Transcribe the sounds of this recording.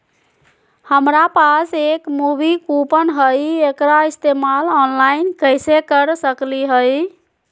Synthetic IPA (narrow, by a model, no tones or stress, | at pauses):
həmɾapasekmubikupənɦəjekɾaist̪emalɔnlainkəjsekəɾsəkliɦəj